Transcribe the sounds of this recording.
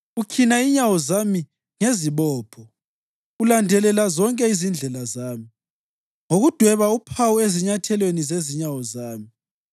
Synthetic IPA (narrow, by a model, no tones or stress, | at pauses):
ukʰinaiɲawɔzami | ŋeziβɔːpʰɔ | ulandʱɛlɛlazɔŋkʼɛizind͡ɮʱɛlazaːmi | ŋoɣud̥ʱwɛβaupʰawueziɲatʰɛlwenizeziɲawɔzaːmi